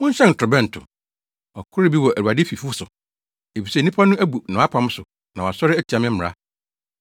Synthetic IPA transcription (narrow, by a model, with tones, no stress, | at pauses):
wʊ̃˦ɲ̩˦ɕɛ˦n̩˨tʰɾʊ˨bɛ̃˦n̩˨tʰʊ̰˨ | ɔ˨kʰʊ˦ɾɪ˦bi˦wɔ˨ʔæ˨u˨a˨dɪ˦fi˨fu˦sʊ˨ | e˨fi˨se˦˨nĩ˦pʰa˦nʊ̃˦æ˦bu˨nã˨˦a˦pʰã˨m˦sʊ˨ | nã˨wa˨sɔ˦ɾɪ˦æ˦tʰi˨ã˨mɪ̃˦m̩˦mɪ̃˨ɾa̰˦